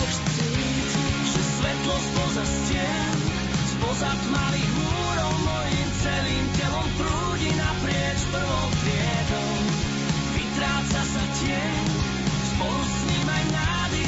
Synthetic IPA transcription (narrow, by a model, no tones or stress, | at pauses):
i | ʒɛsʋɛt̪lɔspɔzascɪɛ | n | sbɔzat̪maliɣmuːɾɔʊmɔjimt͡sɛliːmcɛlɔmt̪ɾuːɟinapɾɪɛt͡ʃpr̩ʋɔwt̪ɾɪɛ | d̪ɔw | vit̪ɾaːt͡sasr̩cɪɛ | spɔɾusɲimajna | d̪i